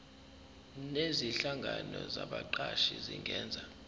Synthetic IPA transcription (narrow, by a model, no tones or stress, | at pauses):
neziɬaŋɡʱanɔzaɓaǃaʃiziŋɡʱɛːnd͡zʱa